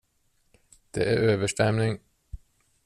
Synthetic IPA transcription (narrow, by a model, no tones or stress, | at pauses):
d̪̥ḛːʔæɾøːʋəʂʈɛmnɪŋ